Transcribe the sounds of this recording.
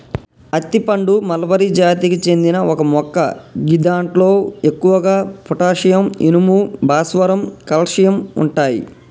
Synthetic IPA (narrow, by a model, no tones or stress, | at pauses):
ɐt̪ːipɐɳɖumɐlɐʋɐɾid͡ʒaːt̪ikit͡ʃe̞nd̪inɐʔɔkɐmɔkːɐɡid̪aːɳʈlo̞ːe̞kːuʋɐɡaːpʰuʈaːʂɐjɐmḭnumubʱaːsʋɐɾɐmkɐlʂijɐmṵɳʈaːjḭ